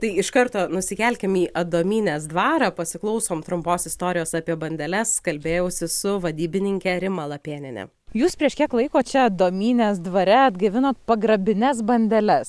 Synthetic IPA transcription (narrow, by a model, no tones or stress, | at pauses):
t̪ɐɪɪʃkɐɾt̪oːnʊsʲɪkʲɛlʲkʲɛmiːʔɐd̪oːmʲiːnʲeːsd̪ʋɑːɾɐpɐsʲɪklˠɒʊsoːmt̪ɾʊmpoːsɪst̪oːɾʲɪjoːsɑːpʲiɛbɐnʲd̪ʲɛlʲɛskɐlʲbʲeːjɛʊsʲɪsʊʋɐd̪ʲiːbʲɪnʲɪŋʲkʲɛɾʲɪmɐlˠɐpʲeːnʲɪnʲɛ̰ | juːspʲɾʲiɛʃkʲiɛklˠɐɪkoːt͡ʃʲɛɐd̪oːmʲiːnʲeːsd̪ʋɐɾʲɛɐd̪ɡɐʋʲɪnoːt̪̚pɐɡɾɐbʲɪnʲɛs̬bɐnʲd̪ʲɛlʲɛs